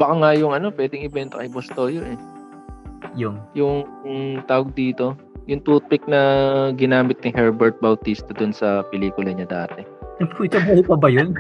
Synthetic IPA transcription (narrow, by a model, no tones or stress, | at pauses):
bɐkaŋajʊŋʔɐno̞pwɛːd̪ɪŋɪbɛnt̪okɐɪbɐst̪ojonʔɛ | jʊŋjʊŋt̪aːwɐɡ̚d̪iːt̪o̞ | jʊŋt̪uːt̪̚pɪk̚nɐɡɪnaːmɪt̪̚nɪhɛɹbɛɹt̪̚bɐwt̪ist̪ɐd̪ʊnsɐpɛliːkʊlɐɲɐd̪a̰ːt̪ɛɛkit͡ʃɐbuhupɐbɐjon